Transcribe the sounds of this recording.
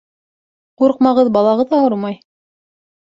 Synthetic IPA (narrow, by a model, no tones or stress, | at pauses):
quɾq̚mɑʁɤðbɑlˠɑʁɤðɑhoɾmɑj